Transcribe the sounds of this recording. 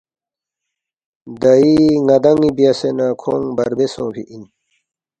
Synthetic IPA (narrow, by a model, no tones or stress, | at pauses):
d̪ɐiŋɐd̪ɐŋibijasenakʰoŋbɐɾbesõːpʰiʔin